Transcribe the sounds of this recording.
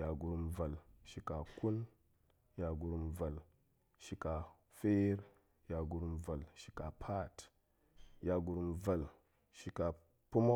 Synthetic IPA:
ja˨ɡu˨ɾu˨mva˨lʃi˨ka˨ku˦n | ja˨ɡu˨ɾu˨mva˨l | ʃi˨ka˨ | fe˦ɾ | ja˨ɡu˨ɾu˨mva˨lʃi̥˨ka˨pʰa˦˨t | ja˨ɡu˨ɾu˨mva˨l | ʃi˨ka˨ | pu˦mo˦

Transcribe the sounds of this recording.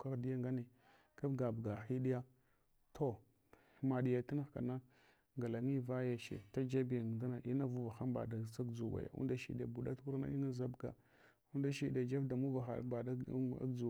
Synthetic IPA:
ka˦ɣdi˦ja˦ŋɡa˦ni˨ | ka˦fɡa˨bɡa˨xi˦ɗi˦ja˦ | tʰo˦ | ma˨ɗi˨ja˨ta˦na˦xka˨na˦ | ŋɡa˨la˨ŋi˦va˦ja˨ʃḛ˨ta˦d͡ʒa˦bi˨ja˨da˦na˨ʔi˦na˦vu˦va˨xa˦mba̰˨da˨sa˦ɡd͡zu˨wa̰˨ja̰˨ṵ˦nda˦ʃḭ˨ɗḛ˨bu˨ɗa˦tku˦ɾna̰˦i˦na˦za˦bɡa̰˨ | u˦n˦da˦ʃi˦de˨d͡ʒa˦vda˨mu˦va˨xa̰˨˦ba˨da̰˦d͡ʒu˨

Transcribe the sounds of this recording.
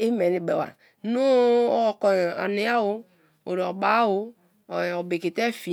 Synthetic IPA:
e˦mɛ˨ni˨bɛ˨wa̰˨˦ | no˦˨kɔ˨a̰˨ne˨˦a˦wo˦ | o̰˨ɾɔ˨ɡ͡ba˨˦wo˦˨ | ɔ˨be˨ke˨t̪ɛ˦fi˨

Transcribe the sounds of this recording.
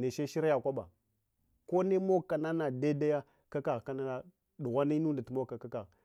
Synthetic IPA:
ne˨ʃe˦ʃi˦ɾa˦ja˨kʷa˦ɓa̰˨ | ko˦ne˦mo˦kːa˨na˦na˨da˦da˦ja˦ | ka˦ka˨ɣka˦na˦na˦ | ɗu˨ɣʷa˦ni˦nu˦nda˨ti˨mo˦kːa˨ka˦ka˨ɣ

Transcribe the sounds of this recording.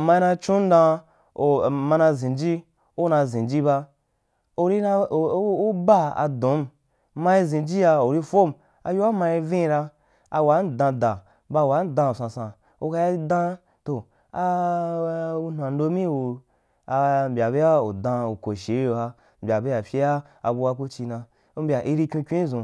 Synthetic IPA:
ma˧i˧nã˧t͡ʃũ˦n̩˦dã˧ | o˨ma˧nã˧zĩ˨d͡ʒi˦ | o˦nã˧zĩ˨d͡ʒi˦ba˧ | o˧ɾi˦na˧˨˦u˦ba˦a̰˨dõ˨˦m | mã˧i˧zĩ˨d͡ʒi˦ja˧o˨ɾi˦fo˦m | a̰˧ju˦a˦ma˧ji˧vĩ˦˧ɾa˧ | a˧wa˨˦n˦dã˧dã˨ | ba˧˨wa˨˦n˦dã˧˨sã˧sã˧ | o̰˧ka˧ja˦dã˦ | to˨ | a˧ | u˧nʷa˨n˦do˧˦mĩ˦wu˧ | a˧m̩˨bʲa˨be˦ja˦u˨dã˧u˨ko˨ʃe˨˦o˧a˧ | m̩˨bʲa˨be˦ja˨fʲi˦ja˦ | a̰˧bu˧wa˧ku˦t͡ʃi˧nã˧ | u˦m̩˦bʲa˨ʔi˧ɾi˧kʲĩ˧˦kʲʷĩ˦zũ˨

